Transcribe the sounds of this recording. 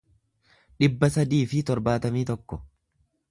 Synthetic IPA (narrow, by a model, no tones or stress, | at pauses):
ᶑɪbːɐsɐd̪iːfɪt̪ɔɾbaːt̪ɐmiːt̪ɔkːɔ